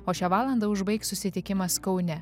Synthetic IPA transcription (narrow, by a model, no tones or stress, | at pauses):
oːʃʲæːʋɑːlˠɐnd̪ɐʊʒbɐɪksʊsʲɪt̪ʲɪkʲɪmɐskɒʊnʲɛ